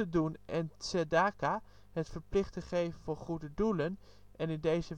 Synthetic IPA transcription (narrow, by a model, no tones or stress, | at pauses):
ədunɛnsɛdaːka | ɦətfəɹplɪχtəχejvənvʊːχudədulən | ɛnɪndejzə